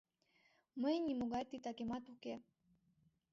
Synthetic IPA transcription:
məjnʲimuɣɑjt̪it̪ɑkemɑt̪uke

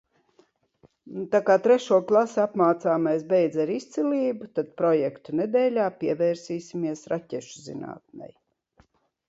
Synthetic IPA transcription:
nut̪akaːt̪ɾɛʃuɔklˠasapmaːt̪saːmajs̬bɛjd̪zaɾist̪siliːbut̪ad̪̚pɾɔjɛkt̪uned̪ɛːlʲaːpiɛvɛːɾsiːsʲimiɛsɾacʲɛʃuzḭna̰ːt̪̚nʲɛ̰j

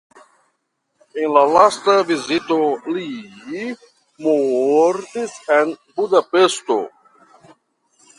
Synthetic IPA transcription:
ẽnlalast̪ɐvizit̪oli | moɾt̪isenbud̪apest̪o̰

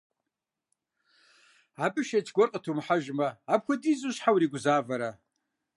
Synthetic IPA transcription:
apʼɨʃat͡ʃʰɡʷɔrqʼatʰumħaʒmaːp̚ʰkʷadizuʃħawɾiɡʷzaːvaɾa

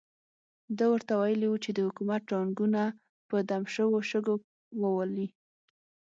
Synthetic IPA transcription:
d̪əwəɾt̪awajəliwut͡ʃed̪əhʊkumat̪̚ʈɑŋɡuna | pəd̪amʃəwoʃəɡo | wəwali

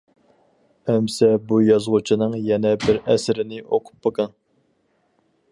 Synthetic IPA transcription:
ɛmsɛbujɑzʁut͡ʃʰinɨŋjɛnɛbɪɾɛsɪɾɪnɪʔoqʰʊ̥pːəqɑn

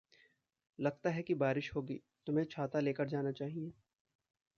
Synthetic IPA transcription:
lɐɡ̚t̪aɦɛkibaːɾɪʃɦoːɡḭː | t̪ʊmẽt͡ʃʰaːt̪aleːkəɾd͡ʒaːnat͡ʃaːɦieː

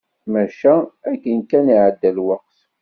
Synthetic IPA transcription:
mæʃæækːənkæniʕəd̪ːælwɑq̚θ

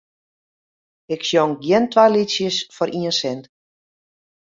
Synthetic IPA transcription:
ɪksjɔŋɡjɛntʋajlisjəsfɔɾʔiənsɛnt

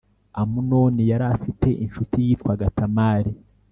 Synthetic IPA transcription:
amunoːnijaɾafitʰe̞ʔinʃutijiːtkwaɡatʰamaːɾi

